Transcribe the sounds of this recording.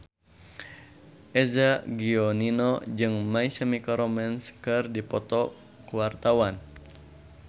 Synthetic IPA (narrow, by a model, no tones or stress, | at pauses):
ʔɛzaɡiɔninɔd͡ʒɨŋmaisəmikɔɾɔmɛnskɨrdipɔt̪ɔ | kuwart̪awan